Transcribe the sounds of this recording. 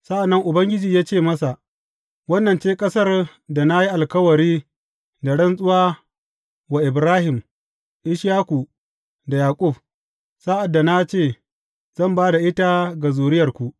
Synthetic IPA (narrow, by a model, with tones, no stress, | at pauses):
sa˦ʔa˨nːɐ˦ŋʔʊ˨bɐ˦ŋɡʲɪ˦d͡ʒiː˨jaː˦t͡ʃeː˦˨mɐ˦sa˨ʔ | wɐ˦nːɐ˨nt͡ʃeː˦kʼɐ˦sɐ˦r | da˨na˦ji˦ʔa˨lkɐ˦wɐ˨ɾiː˦ | da˨ɽɐ˦nsʼʊ˦waː˦ | wa˨ʔɪ˨bɾaː˦hɪ˨m | ʔɪ˦ʃjaː˦kʷu˨ | da˨jaː˨kʼʊ˦˨b | saː˦ʔa˨dːa˨na˦t͡ʃeː˦˨ | z̥ɐ˦˨mbaː˦da˨ʔɪ˦ta˦ɡa˨zuː˨ɽɪ˦jɐ˨rkʷu˨ʔ